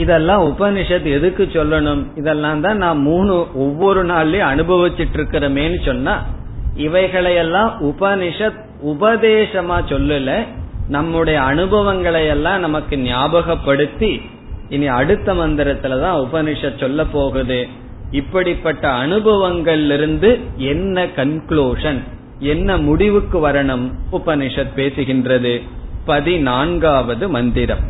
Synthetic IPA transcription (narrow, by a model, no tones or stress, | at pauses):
ɪðɛlːãːʊbɐnɪʂɐt̪ɛðɯkːɯt͡ʃːɔlːɐɳɯmɪðɛlːãːnt̪ãːnãːmmuːɳɯʔɔʋːɔɾɯnaːɭeːɐnɯbʱɐʋɪt̪ːɪʈːɪɾɯkːɪɾɐmeːnːɯsɔnːaːɪʋɐɪɣɐɭɐjɛlːãːʔʊbɐnɪʂɐt̪ | ʊbɐðeːʂɐmaːsɔlːɯlːɐnɐmːɯɽɐjɐːnɯbɐʋɐŋɡɐɭɐjɛlːãːnɐmɐkːɯnɪjaːbɐɣɐpːɐɽɯt̪ːi | ɪniɐɽɯt̪ːɐmɐnd̪ɪɾɐt̪ːɪlɐt̪ãːʊbɐnɪʂɐt̪̚sɔlːɐpːoːɣɐðɯ | ɪpːɐɽɪpːɐʈːɐːnɯbɐʋɐŋɡɐɭɪlɪɾɯnd̪ɯɛnːɐkɐnkɭuːʂɐn | ɛnːɐmʊɽɪʋɯkːɯʋɐɾɐɳɯmʊbɐnɪʂɐt̪̚peːsɯɣɪndrɐðɯpɐðinaːɳɡaːʋɐðɯmɐnd̪ɪɾɐ̰m